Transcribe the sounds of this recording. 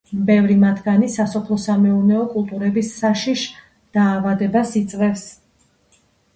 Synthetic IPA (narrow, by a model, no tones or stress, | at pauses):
bɛvɾimat̪ʰɡanisasɔpʰlˠɔsamɛunɛɔkʼulˠt̪ʼuɾɛbisːaʃiʃ | d̪̥aːvad̪ɛbasit̪sʼvɛfs